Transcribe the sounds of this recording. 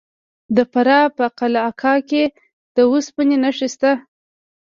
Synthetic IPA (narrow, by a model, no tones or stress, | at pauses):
d̪əfaɾɑpəqalaakʰɑke | d̪̥əuspənenaʂist̪a